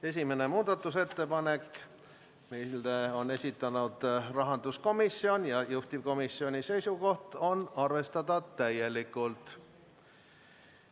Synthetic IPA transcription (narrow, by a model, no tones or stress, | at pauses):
e̞s̬ʲimene̞muːd̪̥ɑt̪ˑːuse̞t̪ːe̞pɑne̞k | milo̞ne̞sʲit̪ːˑɑnud̪̥rɑɦɑnd̪̥usko̞misʲːio̞njɑjuht̪ʲivko̞misːio̞nʲise̞jsuko̞ht̪o̞nɑrve̞st̪ɑd̪ɑt̪æje̞likːˑult̪ˑ